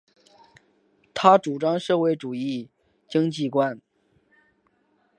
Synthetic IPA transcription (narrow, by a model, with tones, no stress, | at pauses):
t̪ʰa˥ʈ͡ʂu˨˩ʈ͡ʂɑ˥ŋʂɤ˥˧we˥˩ɪʈ͡ʂu˨˩i˥˩ | t͡ɕi˥ŋt͡ɕi˥˧kwa˥n